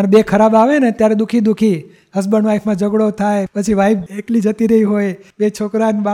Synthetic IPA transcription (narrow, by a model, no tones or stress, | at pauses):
ənbekʰəɾabaʋenet̪jaɾed̪ukʰid̪ukʰi | ɦəs̬bənʋaifʰmãd͡ʒəɡɽot̪ʰajpət͡ʃʰiʋaifeklid͡ʒət̪iɾəɦiɦojbet͡ʃʰokɾanb